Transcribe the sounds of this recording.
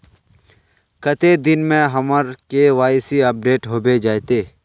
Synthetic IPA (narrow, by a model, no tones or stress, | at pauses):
kət̪ed̪ɪnmẽɦɐməɾkeʋaːsiɐp̚ɖeːʈɦoːbed͡ʒaːjt̪eː